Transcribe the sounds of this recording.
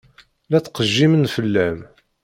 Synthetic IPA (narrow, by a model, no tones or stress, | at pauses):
læt͡sːqəʒːimənfəlːæm